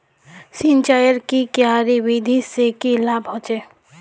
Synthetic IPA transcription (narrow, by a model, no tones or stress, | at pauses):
sint͡ʃaːjəɾkikjaːɾiʋid̪ʱisekilaːbɦõːt͡ʃeː